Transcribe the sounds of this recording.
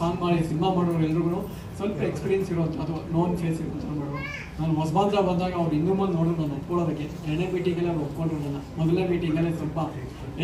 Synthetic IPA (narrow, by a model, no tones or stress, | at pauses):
paːnmaːɽisinimamaːɽoʋɾuɛlɾuɡunu | sʋɔlpɐekspiːɾjensiɾoɐnt̪ʰɐːd̪unoːnpʰeːsiɾoɐnt̪ɐnmaːɽoʋu | naːnuɦɔsbaːnd̪ɾɐbɐnd̪aːɡɐːʋɾinɡ̪ɾumanno̞ːɽɾɔnɐnːɐɐp̪koːɭoːd̪ɐkːe | ɛɳebiːʈiŋɡɐlːeɐʋɾopkoɳɖiɾod̪ɐlːɐmɔd̪ɐlːebiːʈiŋɡɐlːesʋɐlpɐ